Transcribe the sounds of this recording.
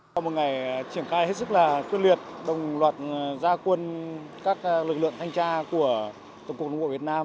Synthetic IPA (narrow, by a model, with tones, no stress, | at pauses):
wmo˨˩t̚ŋa˨˩jt͡ɕi˧˩ənxaː˧jhe˦˥t̚sɨ˦˥k̚laː˨˩t̪wi˧ənlwi˨˩ət̚ɗə˨˩wŋ͡mlwaː˨˩t̚zaː˧kwə˧nkaː˦˥k̚lɨ˨˩lɨ̰˧˨əŋt̪ʰjŋ̟t͡ɕaː˧ku˧˩ə | t̪ːkːk̚n˨˧˨ɓo̰˧˩˨vət̚naː˧m